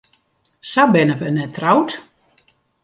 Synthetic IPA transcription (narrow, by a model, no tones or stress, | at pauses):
sabɪnəʋənɛtʰrawt